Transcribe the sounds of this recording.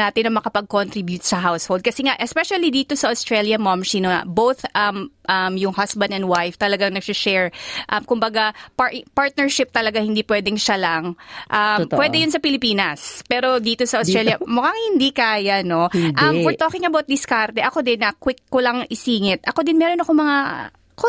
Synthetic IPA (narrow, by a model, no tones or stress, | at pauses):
aːt̪ɪnːɐmɐkɐpɐɡ̚kont̪ɾibjʊt̪̚sɐɦawshold̪̚kɐsɛŋaʔɛspɛʃɐlid̪iːt̪o̞sɐʔɐst̪ɹɛljɐmɐmsinoɐ̰bowθʔɐmʔɐmjʊŋhasbɐ̃nd̪ɛnwajft̪ɐlɐɡaŋnɐɡ̚sɪʃɛɹʔɐmkʊmbɐɡapapaɹt̪̚nɛɹʃɪp̚t̪ɐlɐɡahɪnd̪iːpwɛːd̪ɛŋʃɐlɐŋʔɐmppwɛd̪ɛjʊns̬ɐpɪlɪpiːnɐspɛːɾo̞d̪iːt̪o̞sɐʔʊsɾɛljɐmʊkaŋhɪnd̪ikaːjɐno̞ʔɐmfɔɹt̪oːkɪŋɐbawt̪̚d̪ɪskaɾt̪ɛʔɐkod̪ɪnɐkwɪkːolɐŋɪsiːŋɪt̪ʔɐko̞d̪ɪnmɛːɾo̞nɐkomɐŋa | ko